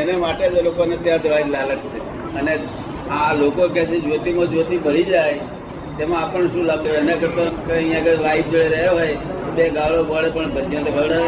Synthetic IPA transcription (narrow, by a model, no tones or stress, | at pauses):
enemaʈed͡ʒelokonet̪jãd̪ʋaid̪laɡəkt͡ʃʰe | əne | ãlokoket͡ʃʰed͡ʒʋot̪imõd͡ʒʋot̪ibʱəɭid͡ʒaj | t̪emãːpəɳʃũlaɡoenakəɾt̪okeə̃ĩjãkeʋaip̚d͡ʒəɭeɾəɦoɦojt̪obeɡãʋɭobəɭepəɳbəd͡ʒijãt̪ebʱəɽa